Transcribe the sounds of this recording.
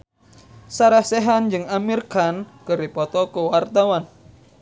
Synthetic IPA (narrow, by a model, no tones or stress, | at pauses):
saɾahsɛɦand͡ʒɨŋamirkankɨɾipɔt̪ɔkuwart̪awan